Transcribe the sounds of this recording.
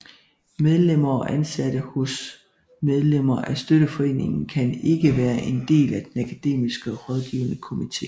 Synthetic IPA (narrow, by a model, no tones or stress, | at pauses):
með̞ˠlem̰ɐɒʔænsæd̥əhos | með̞ˠlem̰ɐʔæsd̥øɾ̥əfɒ̽e̝̰ːne̝ŋn̩kʰæne̝ɡ̥əʋæːɐʔe̝nd̥e̝̰ːlæd̥enækʰæd̥e̝̰ːmisɡ̥əʁɒð̞ˠɡ̥iːʊnəkʰo̝mit͡sʰe̝̰ː